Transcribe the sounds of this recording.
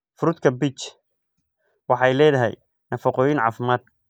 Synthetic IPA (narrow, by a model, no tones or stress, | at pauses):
fʊɾʊd̪kʰɐbit͡ʃ | wɑħɑjlɛːðɐɦɛ̰j | nɐfɐqɔːjɪnʕɑ̰ːfɪmaːd̪̚